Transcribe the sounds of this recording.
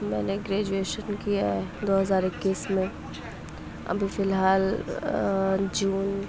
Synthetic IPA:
mɛ̰̃ːneɡɾɛːd͡ʒueːʃənkijaɦɛd̪oːɦɐzaːɾɪkːiːsmẽ | ɐ̰bʱifɪlɦaːl | d͡ʒuːn

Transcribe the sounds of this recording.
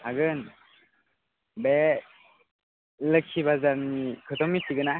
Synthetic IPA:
haɡɯn | be | lɯkʰibazanikʰɯt̪ʰɔmːitʰiɡɯna

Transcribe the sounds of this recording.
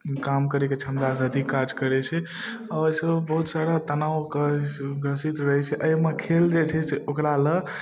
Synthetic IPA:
kamkəɾɛket͡ʃʰəmd̪asad̪ʱikːad͡ʒkəɾɛt͡ʃʰɛ | aəjsəbbəɦut̪saɽat̪ənawkəɡɾəsit̪ɾəɦjt͡ʃʰɛʔəjmekʰeld͡ʒet͡ʃʰɛseokɾalə

